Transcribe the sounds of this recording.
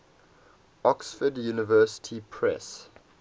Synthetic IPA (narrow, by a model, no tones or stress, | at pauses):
ɔksfədjunɪvɜːˑsɪ̥tʰipʰɹɛ̰s